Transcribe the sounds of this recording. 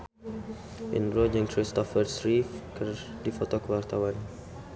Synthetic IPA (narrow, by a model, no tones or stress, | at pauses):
ʔḭ̃nɹod͡ʒə̃ŋkɹist̪ɔfəsɹifkədifɔt̪ɔkowart̪awãn